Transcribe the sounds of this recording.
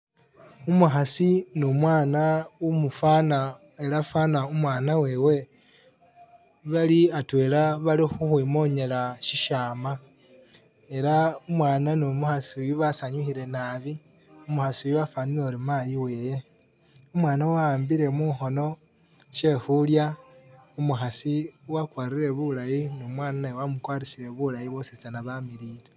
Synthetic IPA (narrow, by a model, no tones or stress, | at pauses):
umuxasinumwaːnaumufana | elafanaumwaːnawe̞ːwe̞ | βaliatwe̞ːlaβalixuxwimo̞ɲe̞laʃiʃaːma | e̞ɾaumwaːnanomuxasijuβasaɲuxiɾe̞naβi | umuxasiujuβafaninoɾimajiwe̞je̞ | umwaːnawaːmbiɾe̞muxo̞no̞ | ʃe̞xulja | umuxasiwakwaːɾiɾe̞βulajinomwaːnanawamukwaːɾisiɾe̞βulajiβo̞sist͡sanaβamiɾiɾe